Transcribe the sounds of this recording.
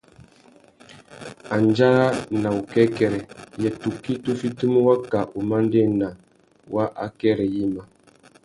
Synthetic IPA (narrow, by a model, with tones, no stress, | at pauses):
a˨nd͡ʒa˦a˦na˨u˨kɛ˦kɛ˨ɾɛ˨jɛ˨tu˨kːi˦tu˦fi˦tu˦m˦wa˦ka˨ʔu˨ma˦n˦de˦˨na˨ | wa˦ʔa̰˦kɛ˦ɾɛ˨ji˦ma˨